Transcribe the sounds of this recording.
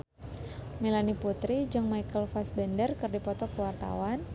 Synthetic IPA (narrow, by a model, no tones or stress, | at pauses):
milaniput̪ɾid͡ʒɨŋmajkəlfasbɛndərkərdipɔt̪ɔkəwart̪a̰wan